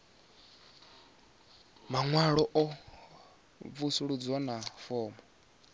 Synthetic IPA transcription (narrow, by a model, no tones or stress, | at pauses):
maŋwaɺɔʔɔ | vusuɺud͡zɔnafɔːmɔ